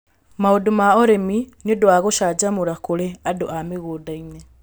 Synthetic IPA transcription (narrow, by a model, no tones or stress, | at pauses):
maodomaɔɾeminodoaɣoʃad͡ʒamoɾakoɾeadoameɣoːdaine